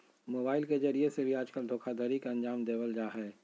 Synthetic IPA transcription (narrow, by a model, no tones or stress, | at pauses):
moːbaːɪlked͡ʒɐɾiesebʱiaːd͡ʒkəld̪ʱoːkʰad̪ʱəɾikɐ̃nd͡ʒaːmd̪eːʋəld͡ʒaːɦɛː